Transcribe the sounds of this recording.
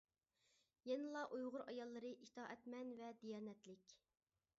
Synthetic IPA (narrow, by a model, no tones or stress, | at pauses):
jɛnɨlˠɑʔujʁʊɾɑjɑlˠːɨɾɨʔit̪ʰɑːʔɛt̪mɛnvɛd̪ijɑːnɛt̪lɪkʲ